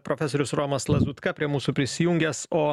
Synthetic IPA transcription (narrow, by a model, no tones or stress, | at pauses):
pɾoːfʲɛsoːɾʲʊsɾoːmɐslˠɐzuːt̪kɐpʲɾʲiɛmuːsuːpʲɾʲɪsʲɪjuŋʲɡʲɛsoː